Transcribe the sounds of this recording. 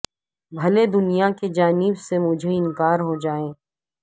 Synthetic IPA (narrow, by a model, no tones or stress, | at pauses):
bʱɐled̪ʊnijaked͡ʒaːnɪbsemʊd͡ʒʱeɪ̃nkaːɾɦod͡ʒaːẽː